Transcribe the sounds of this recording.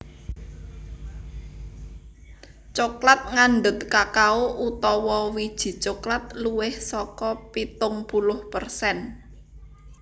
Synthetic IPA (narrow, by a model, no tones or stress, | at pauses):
t͡ʃoklat̪̚ŋanɖ̪ʊt̪kakauʔut̪ɔwɔwid̥ʒ̥i̤t͡ʃoklat̪̚luwɪhsɔkɔpit̪ʊŋpulʊhpərsɛn